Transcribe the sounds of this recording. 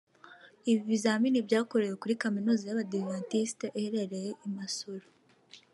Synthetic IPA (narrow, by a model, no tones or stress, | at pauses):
iβiβizaminibɟaːko̞ɾejekuɾikaminuzajaβadivantisteʔeheɾe̞ɾe̞jeʔimasoɾo